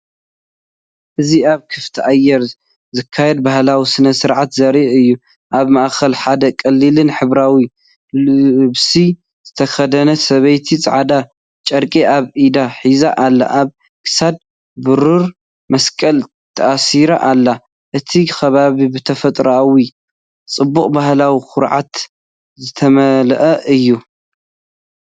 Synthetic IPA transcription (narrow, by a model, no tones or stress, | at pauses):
ʔɨziaβkʰɨft̪ʰiʔajːɛɾ | zɨkʰːajɛd̪̚bahlawisɨnɐsɨɾʕat̪zɐɾiʔɨjːu | ʔaβmaʔxɐlħad̪ɐkʼɐlːɨlɨnħɨβɾawi | bɨsi | z̥ɨt̪ʰɐxɐd̪ɐnɐsɐβɐjt̪ʰit͡sʼʕad̪a | t͡ʃʼɐɾkʼiʔaβʔid̪aħizaʔalːa̰ʔaβ | kʰɨ̥sad̪̚ | bɨɾuɾ | mɐskʼɐl | t̪ʰɐʔasiɾa̰ʔalːa | ʔɨt̪ʰixɐβaβibɨt̪ʰɐfɐt̪ʼɾawi | t͡sʼɨbːuχʼbahlawixʊɾʕa̰t̪ | zɨt̪ʰɐmɐlʔɐʔɨjːu